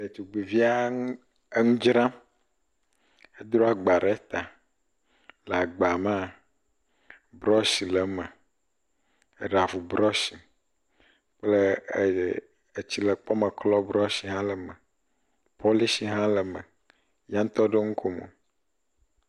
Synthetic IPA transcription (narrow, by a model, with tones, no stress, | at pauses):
e˨t͡ʃu˨ɡ͡be˨vi˦a˦ŋ˦ | e˦ŋũ˦d͡ʒɾã˦ | e˦d̪ɾɔ˦a˨ɡ͡ba˨ɾe˦t̪a˨ | le˨a˨ɡ͡ba˨ma˦˨ | bɾɔ˦si˨le˨mə˨ | e˨ɖa˨vu˨bɾɔ˦si˨ | ple˦˨ | e˨t͡ɕi˨lə˨k͡pɔ˦me˨klɔ˦bɾɔ˦si˨ɦã˦lə˨me˨ | pʰo˦li˦si˨ɦã˦lə˨me˨ | jã˦ŋ̩˦t̪ɔ˦ɖe˦ŋũ˦kʰo˦mo̰˨